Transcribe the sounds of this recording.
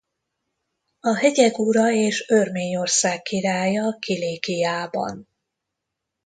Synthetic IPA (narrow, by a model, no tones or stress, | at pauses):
ɒɦɛɟɛɡuɾɒeːʃørmeːɲo̞rsaːkːiɾaːjɒkʰileːkijaːbɒ̰n